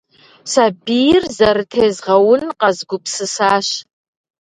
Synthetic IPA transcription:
sabijrzɐɾɨtʰeːzʁɐwʊnqɐzɡʷʊpsɨsaːɕ

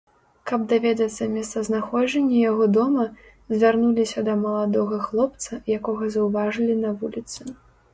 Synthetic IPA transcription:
kɐb̚d̪avʲɛd̪ɐt̪sːɐmʲɛst̪sɐznaxɔd͡ʒɛnʲːɐjaɣɔd̪ɔmɐ | zʲvʲarnulʲisʲɐd̪ɐmɐlˠad̪ɔɣɐxlˠɔp̚t̪sɐjakɔɣɐzɐwvaʐɨlʲinɐvulʲit̪sɨ

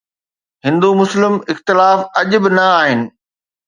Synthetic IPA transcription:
ɦɪ̃nd̪umʊslɪmɪxt̪ɪlaːfɐʄʊ̆bɪnɐaːɦɪnɪ̆

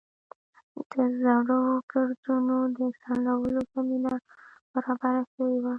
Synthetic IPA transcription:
d̪̥əzaɽəwoɡaɾd̪unod̪əsanlawəlokaminab̥aɾɑbaɾaʃawewa

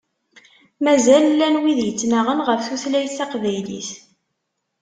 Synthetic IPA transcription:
mæzællːænwiðjət͡sːnaʁənʁəfθuθlæjθɑqvæjlḭθ

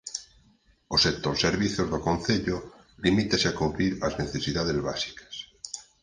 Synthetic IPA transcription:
osek̚t̪oɾseɾβiθjozðokõnθeʎo | limit̪aseakuβɾiɾazneθesiðaðezβa̰si̥kḁs

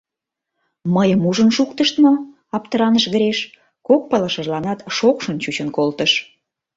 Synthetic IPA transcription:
məjəmuʒənʃukt̪əʃt̪mo | ɑpt̪əɾɑnəʃɣə̆ɾeʃ | kok̚pələʃəʒlɑnɑt̪ʃokʃənt͡ɕut͡ɕənkolt̪əʃ

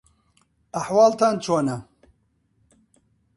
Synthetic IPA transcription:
ɐħwɑːlt̪ʰaːnt͡ʃʰoːnɐ

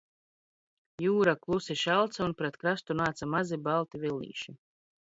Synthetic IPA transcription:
juːɾaklˠusiʃalˠt̪saunpɾɛt̪kɾast̪unaːt̪samazibalˠt̪ivilˠʲːḭːʃi

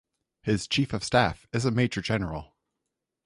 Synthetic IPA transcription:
hɪz̥t͡ʃʰifʌv̥stæfɨzəmeɪt͡ʃɹ̥ə˞d͡ʒɛnə˞l̩ˠ

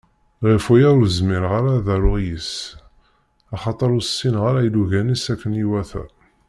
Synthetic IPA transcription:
ʁifujæʊɾzmɪɾʁaɾaðæɾʊʁjəs | ɑχɑt̪ˤəɾussːinʁaɾajluʝænisækːəniwæθæ̰

